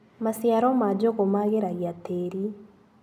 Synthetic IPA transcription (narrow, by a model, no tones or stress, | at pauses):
masjaɾɔmad͡ʒoɣomaɣeɾaɣjateɾi